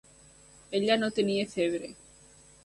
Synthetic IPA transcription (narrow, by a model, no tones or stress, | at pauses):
eʎanot̪enieθeβɾe